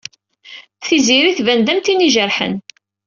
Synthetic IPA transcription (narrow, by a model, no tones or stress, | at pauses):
θiziɾiθvænd̪æmt̪iniʒəɾħə̰n